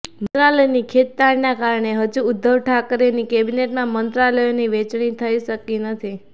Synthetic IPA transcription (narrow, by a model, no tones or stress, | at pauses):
məɾaləjnikʰet̪t̪aɾinakaɾɳ̃eɦəd͡ʒuʊd̪ʱːəʋʈʰakɾenikebineʈmãmənt̪ɾaləjoniʋet͡ʃɳ̃ĩt̪ʰəiʃəkinət̪ʰi